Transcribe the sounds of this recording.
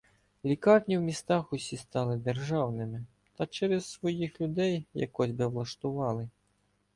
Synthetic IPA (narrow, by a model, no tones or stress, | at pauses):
lʲikarnʲiwmʲist̪axusʲist̪alˠɨd̪ɛrʐawnɨmʲi | t̪ɐt͡ʃɛɾɛsːʋɔjixlʲud̪ɛjja̰kːɔzʲbɨwlˠɐʂt̪uvɑlˠɨ